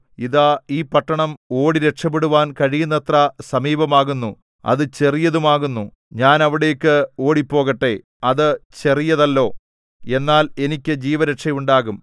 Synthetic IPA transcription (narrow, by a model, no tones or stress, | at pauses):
iðaiːpɐʈːɐɳɐmo̞ːɽiɾe̞ʈʂɐpːeɽuʋaːnkɐɻijunːɐt̪rɐsɐmiːbɐmaːɣunːu | ɐ̰ðɨt͡ɕe̞rijɐðumaːɣunːu | ɲaːnɐʋiɽe̞jkːɨo̞ːɽipːo̞ːɣɐʈːe̞ | ɐðɨt͡ɕe̞rijɐðɐlːo̞ː | e̞nːaːle̞nikʲːɨd͡ʑiːʋɐɾɐʈʂɐjuɳɖaːɣum